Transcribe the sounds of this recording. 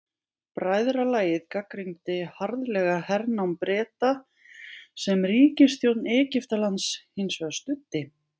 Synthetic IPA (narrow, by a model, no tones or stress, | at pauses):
pɾaːjðɾalaːjɪðkakɾimt̪ɪhaɾðlɛɣahɛɾnawmpɾɛːt̪a | sɛmriːcɪst̪jowt̪nɛːcɪft̪alant̪shinsvɛɣast̪ʏt̪ːɪ